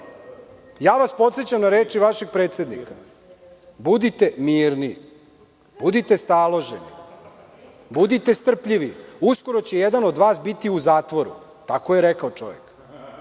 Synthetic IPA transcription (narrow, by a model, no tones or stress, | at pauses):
jaːʋaspo̞t̪set͡ɕamnaɾeːt͡ʃiʋaʃe̞ɡ̚pɾet̪sje̞d̪nḭka | bud̪it̪e̞miːɾni | b̥ud̪it̪e̞st̪aːlˠo̞ʒenḭ | bud̪it̪est̪r̩pʎiʋiusko̞ɾo̞t͡ɕe̞jed̪ano̞d̪ʋaːsbit̪iuzaːt̪ʋo̞ɾṵ | t̪akojeɾekaot͡ʃo̞̰ʋek